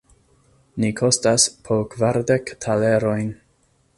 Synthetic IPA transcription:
nikʰo̞staspʰokvaɾdektʰale̞ɾo̞jn

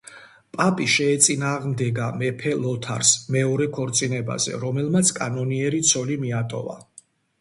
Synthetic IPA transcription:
pʼapʼiʃɛːt̪sʼinaːʁmd̪ɛɡamɛpʰɛlɔt̪ʰa̰ɾsmɛɔɾɛkʰɔɾt̪sʼinɛba̰zɛ̰ɾɔmɛlmat̪sʰkʼanɔniɛɾit̪sʰɔlimiat̪ʼɔ̰va̰

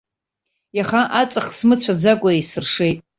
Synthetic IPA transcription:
jaχaʔat͡sʼaχsmɨt͡ɕʷʰad͡zakʷʼaisɨrʂe̞jtʼ

